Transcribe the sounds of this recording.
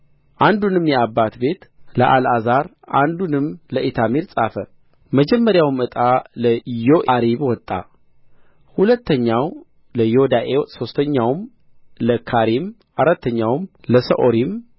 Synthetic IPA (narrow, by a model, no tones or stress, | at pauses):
ʔand̪unɨmːjɛabːat̪be̞t̪ləʔalazaɾ | ʔand̪unɨmləʔit̪ʰamiɾsʼafə | məd͡ʒɛmːəɾjawɨmɨt̪ʼaləjoʔɾiβwɔt̪ʼːa̰ | hulət̪ːəɲːaw | ləjod̪aʔeso̞st̪ʰəɲːawm | ləkʰaɾim | ʔaɾat̪ːəɲːawmləsə̰ʔoɾim